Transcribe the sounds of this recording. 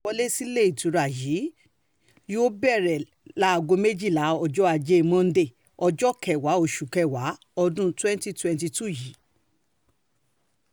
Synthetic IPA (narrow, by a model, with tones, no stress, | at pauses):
ɔ˧˦le˦si˦le˦i˨tũ˨˦ɾa˨jiː˨˦ | jo˦bɛ˦˨ɾɛ˨ | la˨˦˧ɡo˧me˦d͡ʒi˦˨la˨˦ɔ˧d͡ʒɔ˦a˧d͡ʒe˦˧mɔ̃˦˧n̩˦de˦˨ | ɔ˧d͡ʒɔ˦kɛ˨wa˨˦o˦˨ʃu˨kɛ˦˨wa˨˦ | ɔ˧dũ˦twɛ̃˦n˦ti˦twɛ̃˧nti˧tu˦˨ji˨˦